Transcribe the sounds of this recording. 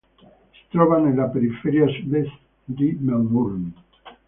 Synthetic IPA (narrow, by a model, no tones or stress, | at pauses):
si̥t̪ɾoβanẽnlapeɾifeɾiasuðest̪ | d̪imemuɾn